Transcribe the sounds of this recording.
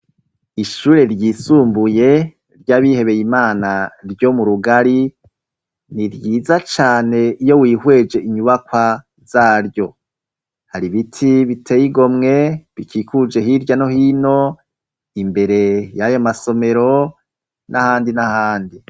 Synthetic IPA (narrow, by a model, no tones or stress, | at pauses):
iʃuːɾe̞ɾjisuːmbuje̞ | ɾɟaːβihe̞βe̞jimaːnaɾjo̞muɾuɡaɾi | niɾɟiːzat͡ʃaːne̞ijo̞wiːhwe̞d͡ʒe̞ʔiɲuβakwa | z̥aːɾjo̞ | haɾiβitʰiβitʰe̞jiɡo̞mŋe̞βikʰiːkʰud͡ʒe̞ɦiɾɟano̞hino̞ | imbe̞ɾe̞jajomaso̞me̞ɾo̞ | nʔahaːndinahaːndi